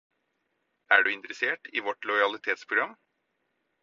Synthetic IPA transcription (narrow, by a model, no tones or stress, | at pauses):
ʔæːɖʉːɪnt̪ɾəseːʈiːʋɔʈlɔʏɑlɪt̪ʰeːt̪spʰɾʊɡɾɑmː